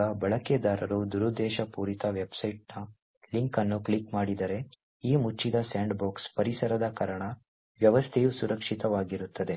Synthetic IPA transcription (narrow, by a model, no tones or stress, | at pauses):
ɐbɐɭɐked̪aːɾɐɾud̪uɾud̪ɛːʃɐpuːɾit̪ɐʋe̞bsɐjʈ̚nɐ | liŋkɐnːukɭikmaːɽid̪ɐɾe̞ | iːmut͡ʃːid̪ɐsaːɳɖboːkspɐɾisɐɾɐd̪ɐkɐɾɐɳɐ | ʋjɐʋɐst̪ʰejusuɾɐkʂit̪ɐʋaːɡiɾut̪ːɐd̪e̞